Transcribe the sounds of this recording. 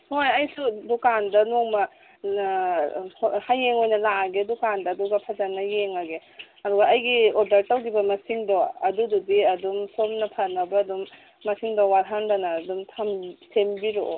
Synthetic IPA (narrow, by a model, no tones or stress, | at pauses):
hojɐjsudukandɐnoŋmɐ | hajːeŋojnɐlaaɡedukandɐːduɡɐpʰɐd͡ʒanɐjeŋaɡe | ɐduɡɐɐjɡiodɐɾtawɡibɐmɐsiŋdɔɐ̰dududiɐdumsomnɐpʰɐnɐbɐːdumː | ɐsiŋdɔwaɾɦandanɐːdumtʰamsʰembiɾo